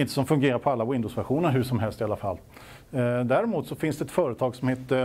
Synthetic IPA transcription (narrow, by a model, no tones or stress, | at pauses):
ɪnt̪əsɔmfɵŋɡeːɾaɾpʰɔalːawɪnd̪əʊsvæɾɧuːnəɾɦɵʂɔmɦɛlst̪ɪalːafa̰lː | d̪æːɾɪmuːt̪sɔfɪnsd̪ɛt̪fœːɾət̪ʰɑːɡsɔmheːt̪ə